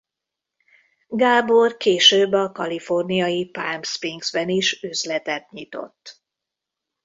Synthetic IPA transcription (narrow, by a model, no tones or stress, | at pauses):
ɡaːborkeːʃøːbːɒkɒlifo̞rnijɒjipaːmspriŋɡzbɛniʃøzlɛt̪ɛt̪̚ɲit̪o̞̰t̪ː